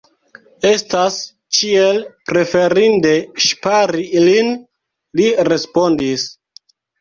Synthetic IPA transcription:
e̞stas | t͡ʃielpɾe̞fe̞ɾindeʃpaɾilin | liɾe̞spo̞ndis

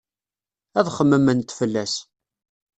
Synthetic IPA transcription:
æðχəmːəmənt̪fəlːæs

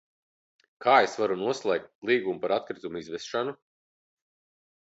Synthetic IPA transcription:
kʰaːesvaɾunuɔslˠɛːk̚t̪̚lˠiːɡumupaɾat̪kɾit̪umizvɛsʃanu

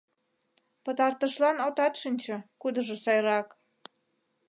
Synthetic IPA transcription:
pət̪ɑrt̪əʃlɑnot̪ɑt̪ʃinʲt͡ɕɤ̆kud̪əʒosɑjɾɑk

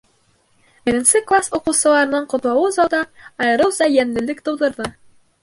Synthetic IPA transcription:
bɘ̆ɾɘ̆nsɘklˠasoqŭwsɤ̆lˠɑɾɤ̆nɤɴqŏt̪lˠɑwɤzɑwd̪ɑɑjɾɤwzɑjænlɘ̆lɘkt̪ŏwðɤ̆ɾðɤ

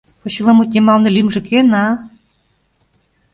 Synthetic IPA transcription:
pŏɕilɑmut̪̚ʲnʲemɑlnĕlimʒɘ̆kenɑ

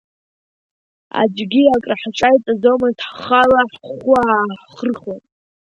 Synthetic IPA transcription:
a̰d͡ʒɡʲiakʼraħʈ͡ʂʼajt͡sʼazomaztʰħχalaħʷʊaħχərχan

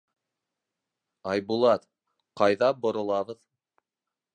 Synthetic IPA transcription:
ɑjbulˠɑt̪ | qɑjðɑbŏɾŏlˠɑβɤð

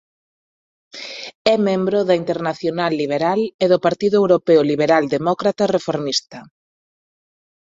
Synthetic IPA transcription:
ɛmẽmbɾoðɐint̪eɾnaθjonalːiβ̞eɾaleðʊpaɾt̪iðʊewɾopeʊliβeɾald̪emɔkɾat̪ɐrefoɾmist̪ɐ

